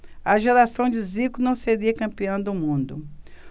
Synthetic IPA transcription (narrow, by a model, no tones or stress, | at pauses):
ɐʒeɾasɐ̃w̃d͡ʒɪzikʊnɐ̃w̃seɾiɐkɐ̃mpiɐ̃w̃d̪ʊmũnd̪ʊ